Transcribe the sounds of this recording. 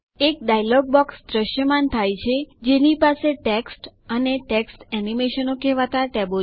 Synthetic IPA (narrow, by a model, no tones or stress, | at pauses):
ek̚ɖajlɔɡ̚bɔksd̪ɾəʃjəmant̪ʰajt͡ʃʰed͡ʒenipaseʈeksʈ | əneʈeksʈɛnimeʃənokɛʋat̪aʈɛbo